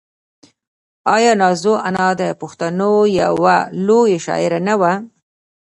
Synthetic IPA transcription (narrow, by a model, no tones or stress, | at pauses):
ɑjɑnɑzoʔanɑd̪əpʊxt̪anoja̰walojeʃɑ̰ɪɾanawa